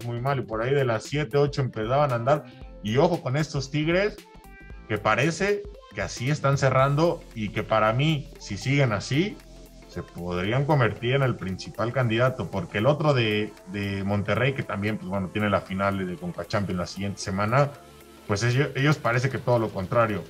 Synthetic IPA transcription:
mujmalipo̞ɾaiðe̞lasːje̞t̪e̞o̞t͡ʃo̞e̞mpe̞saβanaːnd̪aɾ | io̞xo̞ko̞ne̞st̪o̞st̪iɣɾe̞s | ke̞paɾe̞se̞keasie̞st̪anse̞rand̪o̞ike̞paɾamisisiɣe̞nasi | se̞po̞ðɾiaŋko̞mbe̞ɾt̪iɾene̞lpɾinsipalkand̪iðat̪o̞po̞ɾke̞ːlo̞t̪ɾo̞ðe̞ðe̞mõ̞nt̪e̞re̞jke̞t̪ambje̞npwezwe̞no̞t̪je̞ne̞lafinald̪ðekoŋkat͡ʃampjo̞nlasiɣje̞nt̪ese̞mãna | pwe̞seoʔe̞ʝo̞spaɾe̞s̬e̞ke̞t̪o̞ð̞olo̞ko̞nt̪ɾaɾjo̞

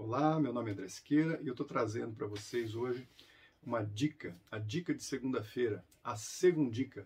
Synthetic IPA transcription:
olamewnõmɪɐ̃d̪ɾɛskeɾɐʔɪewt̪ot̪ɾazẽnd̪ʊpɾɐvosejzoʒɪ | ũmɐd͡ʒikɐɐd͡ʒikɐd͡ʒɪ̥seɡũnd̪ɐfejɾɐ | aseɡũd͡ʒikɐ

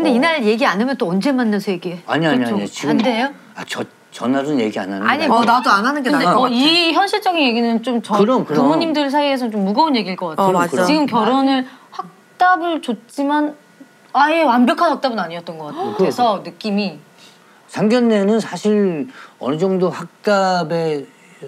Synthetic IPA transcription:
kɯnde̞inaɾje̞ɡianɯmjʌnt͈oʌnd͡ʑe̞manːasʰʌje̞ɡiea̰ɲiaɲiat͡ɕaoɲt͡ɕiɡaɯmdejo | a̰t͡ɕʌ | t͡ɕʌnːasunje̞ɡia̰nanaɲnadoanɦanɯnɡeadeʌiçjʌnɕʰiɭt͡ɕ͈ʌɡinje̞ɡinɯnt͡ɕomt͡ɕʌkɯɾʌmkɯɾʌmoɲimdɯs̬ʰaiesʰʌt͡ɕomːuɡʌunje̞ɡiɭk͈ʌk͈atʰakɯt͡ɕiɡɯmkjʌɾonɯɭhak̚t͈abɯɭt͡ɕot̚t͡ɕ͈iman | ajewambjʌkʰanɦak̚t͈abɯnaɲiʌt͈̚ʌnɡʌk͈atejokesʰʌnɯk͈imi | sʰaŋɡjʌnːe̞nɯnsʰaɕʰiɾʌ̰nɯd͡ʑʌŋdohak̚t͈abe̞

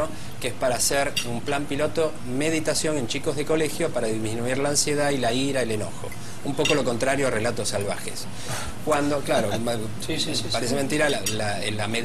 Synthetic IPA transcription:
o | keespaɾaːseɾumplampilo̞t̪o̞ | me̞ð̞it̪asjo̞ŋe̞nt͡ʃiko̞zðeko̞le̞xjopaɾaðizmĩnuiɾlaːnsje̞ðailaiɾaele̞no̞̰xo̞̰ | umpo̞ko̞lo̞ko̞nt̪ɾaɾjo̞are̞lat̪o̞sːalβ̞axḛs | kwand̪o̞klaɾo | spaɾes̬ement̪iɾaala | elame

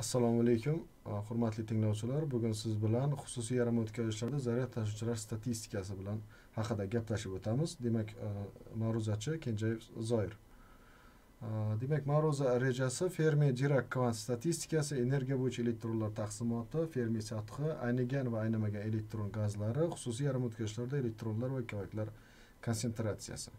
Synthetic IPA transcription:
asːalˠɒmalejkʰʲʊm | χʊɾmat̪lɪt̪ʰɪŋlɒwt͡ʃʰɪlaɾbʊɡʲʊnsɪzbɪlanχʊ̥sʊs̬ijaɾamaot̪kʲʰazɪʃlaɾd̪azaɾijat̪ʰːaʃ̬ɪt͡ʃɪlaɾst̪ʰat̪ʰist̪ɪ̥kʰas̬ɪbɪlan | hɑqɨd̪aɡʲaplaʃɪpot̪ʰamɪzd̪e̞makʲmaɾʊzat͡ʃʰɪkʲʰe̞nd͡ʒajefzɒjɪɾ | d̪e̞makʲmaɾʊzaɾe̞d͡ʒasɪfe̞ɾmijad̪iɾakʰːvant̪st̪at̪ʰist̪ɪ̥kasɪene̞ɾɡʲijabojɪt͡ʃʰae̞le̞k̚t̪ɾo̞nlaɾt̪ʰɑχsɪmɒt̪ʰɪfe̞ɾmijsat̪qɨʔa̰jnɪɡʲanvaːjnamaɡʲane̞le̞k̚t̪ɾonɡazlaɾɪχʊ̥sʊs̬ijaɾmot̪kʲʰazɪʃ̬laɾd̪ae̞le̞k̚t̪ɾo̞nlaɾvakʲʰovakʲlaɾ | kʰonse̞nt̪ɾat̪sija̰sɪ̥

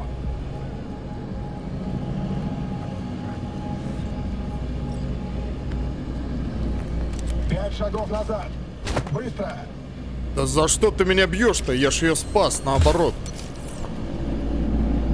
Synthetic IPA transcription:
pʲætʲʂɐɡofnazat̪ | bɨst̪ɾə | d̪̥əzɐʂt̪ot̪ɨmʲɪnʲabjoʂt̪əjaʂɪjospasnəɐbɐɾot̪̚

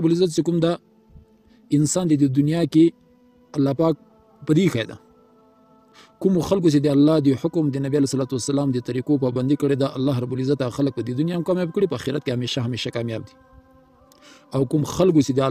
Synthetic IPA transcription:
bulɪzat̪t͡ʃekumd̪a | ɪnsɑnd̪ed̪ed̪ʊnjɑke | alːɑpɑk̚ | pəd̪ixajd̪a̰ | kʊmoxalk̬osed̪əalːɑhd̪əħʊkʊmd̪ənabialesalat̪uwasalɑmd̪ət̪aɾikop̬ɑband̪ikəɽed̪aʔalːɑɦɾabulɪzat̪aɣxalək̚pəd̪ed̪ʊnjɑmkɑmjɑb̚kəɽipəaxiɾat̪̚kehameʃaɦameʃakɑmjɑb̚d̪i̥ | awkʊmxalk̬osed̪əa

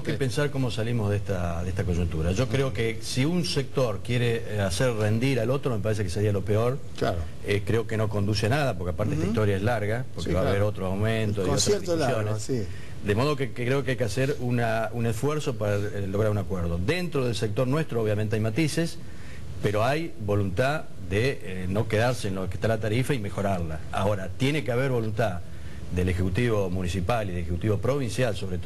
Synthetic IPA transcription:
nmokepensaɾkomo̞salimoðeht̪aðeest̪ak̬oʒunt̪uɾaʒo̞kɾeo̞kesiunsek̚t̪o̞ɾkjeɾe | aseɾre̞nd̪iɾalo̞t̪ɾome̞paɾes̬ekeseɾialo̞peoɾ | laɾ | ekɾeo̞keno̞ko̞nd̪usenað̞apo̞ɾkeapaɾt̪et̪ist̪o̞ɾjaezlaɾɣapo̞ɾkeβaββeɾot̪ɾoawmẽntt̪oiosɾaɾðiusjonessi | d̪emo̞ð̞o̞kekkɾeo̞keajkeaseɾunaunesfweɾso̞paɾalo̞ɣ̞ɾaɾunakweɾð̞o̞ðent̪ɾoð̞elsek̚t̪o̞ɾnwest̪ɾooβjamẽnt̪eajmat̪ises | peɾo̞aj | βo̞lunt̪a | ðe | no̞ke̞ðaɾseːnlokest̪alat̪aɾifaime̞xo̞ɾaɾla | a̰o̞ɾat̪je̞nekeaβeɾβo̞lunt̪a | ðelexekut̪iβomunisipaliðelexekut̪iβo̞pɾo̞β̞insjalso̞βɾet

